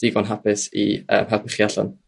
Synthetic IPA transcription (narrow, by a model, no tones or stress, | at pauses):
d̥iɡɔnɦapɪsḭə̰ːmharpəχjaɬɔ̰n